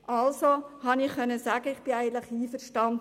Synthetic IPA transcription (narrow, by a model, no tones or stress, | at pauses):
ʔɑlsohɑnɪχχœnːəsæːɡ̥əɪχb̥ɪæɪɡənt̪ləχiːfəɾʃtɑnd